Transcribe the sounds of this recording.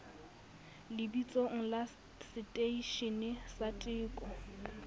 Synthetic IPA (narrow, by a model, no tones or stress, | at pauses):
lɪbit͡sʼɔŋ̩la | sɪtʼeiʃɪnɪsatʼɪːkʼɔ